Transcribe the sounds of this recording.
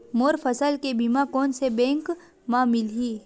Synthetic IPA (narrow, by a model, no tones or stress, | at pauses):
moːɾfʰəsəlkebimakɔːnsebɛ̃ːŋk | mamɪlɦiː